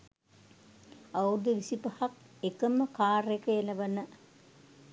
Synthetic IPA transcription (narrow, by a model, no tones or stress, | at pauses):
aud̪əʋisipɐhak̚ | ekəməkaːrekəelɐʋɐnə